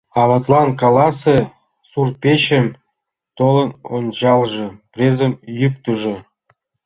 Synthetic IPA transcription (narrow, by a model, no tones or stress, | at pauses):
ɑβɑt̪lˠɑnkɑlˠɑsĕ | surpʲeɕɘ̆m | t̪olˠɤ̆nont͡ɕɑlˠʐɤ̆prʲezə̆mjyk̚t̪ŭʒɤ̆